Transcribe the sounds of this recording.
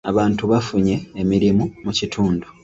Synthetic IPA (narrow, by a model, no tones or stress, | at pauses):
aβaːntuβafuɲe̞ːmiɾimumucitʰuːndu